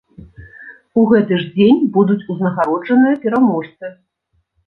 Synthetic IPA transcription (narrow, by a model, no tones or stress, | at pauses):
uɣɛt̪ɨʐd͡zʲenʲbud̪ut͡sʲuznɐɣaɾɔd͡ʐɐnɨjɐpʲɛɾamɔʂt̪sɨ